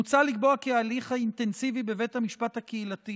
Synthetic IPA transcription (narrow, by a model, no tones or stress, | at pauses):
ut͡salikboakealiχhaint̪e̞nsivibe̞ve̞thamiʃpat̪hakeilat̪i